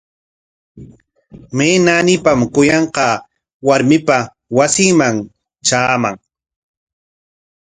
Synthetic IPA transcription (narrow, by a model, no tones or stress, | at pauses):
meːnanɪpamkʊjɑɴqɑ | waɾmɪpa | wasɪŋmaŋ | t͡ʃaːmaŋ